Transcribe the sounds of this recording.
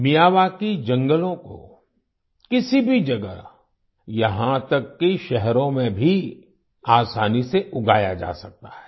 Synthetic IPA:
mijaːʋakid͡ʒɐ̃ŋɡəlõko̰ | kɪsibʱid͡ʒɐɡə̰ | jɐɦãt̪ɐkːiʃɛɦɾõmẽbʱi | aːsaːniseʔʊɡaːjad͡ʒa̰ːsɐk̚t̪aɦɛ̥ː

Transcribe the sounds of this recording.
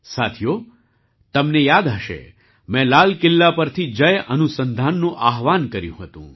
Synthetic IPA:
sat̪ʰijo | t̪əmnejad̪aʃḛ | mɛ̃lalkɪlːapəɾt̪ʰid͡ʒəjənusənd̪ʱanːũʔaɦʋankəɾjṵ̃ɦət̪ṵ̃

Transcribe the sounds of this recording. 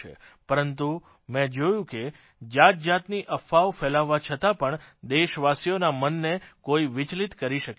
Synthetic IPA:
ḛ | pəɾənt̪u | mɛ̃d͡ʒojũke | d͡ʒat̪̚d͡ʒat̪niʔəfaʋfɛlaʋːat͡ʃʰət̪apəɳd̪eʃʋasijonamənːekoiʋɪt͡ʃlit̪kəɾiʃək

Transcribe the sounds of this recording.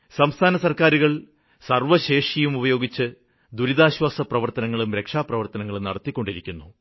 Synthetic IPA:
sɐmst̪ʰaːnɐsɐrkaːɾuɣɐɭ | sɐrʋɐɕe̞ːʂjɐjumubɐjo̞ːɡit͡ɕːɨ | d̪uɾiðaːɕwaːsɐprɐʋɐrt̪ɐnɐŋːɐɭumɾe̞kʂaːprɐʋɐrt̪ɐnɐŋːɐɭumnɐɽɐt̪ːikʲːo̞ɳɖiɾikʲːunːu

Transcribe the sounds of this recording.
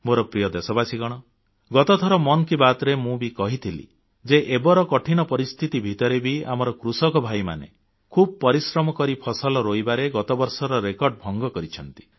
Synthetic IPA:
moɾɔpɾijɔd̪esɔbasiɡɔɽ̃ɔ | ɡɔt̪ɔt̪ʰɔɾɔmɔnɔkibat̪ɾemũbikɔɦit̪ʰilḭ | d͡ʒeʔebɔɾɔkɔʈʰiñɔpɔɾist̪ʰit̪ibʱit̪ɔɾebʱia̰mɔɾɔkɾusɔkɔbʱajma̰nḛ | kʰubɔpɔɾisɾɔmɔkɔɾipʰɔsɔlɔɾojbaɾeɡɔt̪ɔbɔɾsɔɾɔɾekɔɾɖ̚bʱɔŋɡɔkɔɾit͡ʃʰɔnt̪i̥

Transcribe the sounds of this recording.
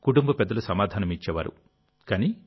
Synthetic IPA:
kuʈumbɐpɛd̪ːɐlusɐmaːd̪ʱaːnɐmit͡ʃːɛːʋa̰ːɾṵ | kaːni

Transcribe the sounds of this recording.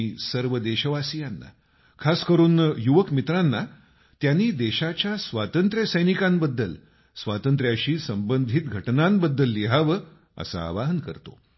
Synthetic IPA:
iːsəɾʋəd̪eɕəʋasijanːa̰ | kʰaskəɾuːnjuʋəkmit̪ɾanːa | t̪janːiːd̪eɕat͡ɕjasʋat̪ənt̪ɾjəsəjnikambəd̪ːəl | sʋat̪ənt̪ɾjaɕiːsəmbənd̪ʱit̪ɡʱəʈnambəd̪ːəlːiɦaʋə | ə̰sa̰ːʋaɦənkə̰ɾt̪o̰

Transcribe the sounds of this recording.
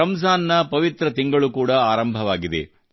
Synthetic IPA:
ɐmsaːnːɐpɐʋit̪ɾɐt̪iŋɡɐɭukuːɽɐaːɾɐmbʱɐʋaːɡid̪ḛ

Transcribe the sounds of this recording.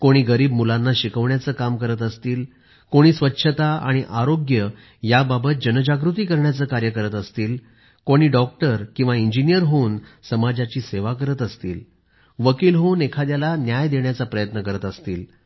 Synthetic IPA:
koɽ̃iːɡəɾiːbmulanːaɕikəʋɳjat͡səːkamkəɾət̪əst̪iːl | koɽ̃iːsʋətːɕʰət̪aaɽ̃iʔaɾoɡjə | jababət̪̚d͡ʑənəd͡ʑaɡɾut̪iːkəɾɳjat͡səːkaɾjəkəɾət̪əst̪iːl | koɽ̃iːɖɔk̚ʈəɾkĩw̃ʋaiɲd͡ʑinijəɾɦoːnsəmad͡ʑat͡ɕiːseʋakəɾət̪əst̪iːl | ʋəkiːlɦonekʰad̪jalanjajd̪eɳjat͡sapɾəjət̪nəkəɾət̪əst̪iːl

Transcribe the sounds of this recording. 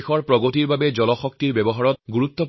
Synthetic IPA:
xɔɹpɹɔɡotiɹbabɛd͡ʑɔlɔxɔk̚tiɹbɛbɔɦaɹɔt̚ɡuɹut̪ːɔ

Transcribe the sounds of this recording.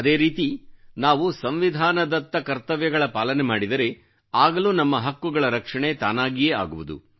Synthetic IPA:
ɐd̪e̞ːɾiːt̪inaːʋusɐmʋid̪ʱaːnɐd̪ɐt̪ːɐkɐɾt̪ɐʋjɐɡɐɭɐpaːlɐnemaːɽid̪ɐɾe̞ | aːɡɐluːnɐmːɐɦɐkːuɡɐɭɐɾɐkʂɐɳe̞t̪aːnaːɡijeːa̰ːɡuʋud̪ṵ

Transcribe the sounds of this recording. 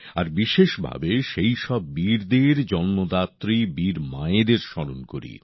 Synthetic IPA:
aɾbiʃeʃbʱa̰beʃejʃɔbːiɾd̪eɾd͡ʑɔnːod̪at̪ːɾibiɾmaed̪eɾʃɔɽonkoɾḭ

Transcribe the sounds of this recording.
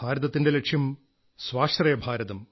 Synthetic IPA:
aːɾɐðɐt̪ːinde̞lekʂjɐm | sʋaːʂt̪rɐjɐbʱaːɾɐðɐm

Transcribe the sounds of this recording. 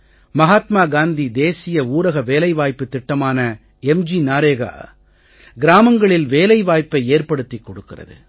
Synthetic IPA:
mɐɣaːt̪maːɡaːnd̪id̪eːsɪjɐuːɾɐɣɐʋeːlɐɪʋaːjpːɯt̪ːɪʈːɐmaːnɐ | ɛmd͡ʒinaːɾeːɣa̰ː | ɡɪɾaːmɐŋɡɐɭɪlʋeːlɐɪʋaːjpɐɪeːrpɐɽɯt̪ːikːɔɽɯkːɪrɐ̰ðɯ̰

